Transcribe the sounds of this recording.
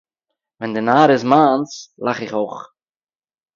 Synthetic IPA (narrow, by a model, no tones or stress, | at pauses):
ʋɛndənaːɾəsmaːnslaχɪkoχ